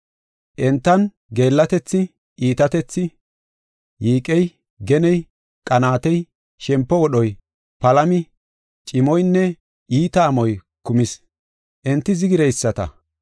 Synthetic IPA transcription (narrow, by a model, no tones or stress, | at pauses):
ʔɛnt̪ːɐn | ɡe̞ːlːɐt̪ɛt͡sːɪ | ʔiːt̪ɐt̪ɛt͡sːɪ | jiːkʼɛj | ɡɛnɛj | kʼɐnaːt̪ɛj | ʃɛmpːɔwɔɗɔj | pɐlɐmɪ | t͡ʃʼɪmɔjnːɛ | iːt̪ɐːmɔj | kʊmɪs | ʔɛnt̪ːɪzɪɡɪɾɛjsːɐt̪ɐ̰